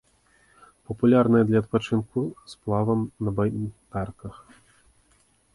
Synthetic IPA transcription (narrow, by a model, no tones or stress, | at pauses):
pɐpulʲarnɐjɐd̪lʲɐt̪̚pat͡ʂɨnkusplˠavɐmnɐbajt̪arkɐx